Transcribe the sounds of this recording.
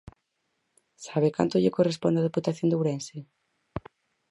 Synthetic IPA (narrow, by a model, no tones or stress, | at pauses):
saβeka̰nt̪oʎɪkorespo̰nd̪aðeput̪aθjond̪wɾɛnsɪ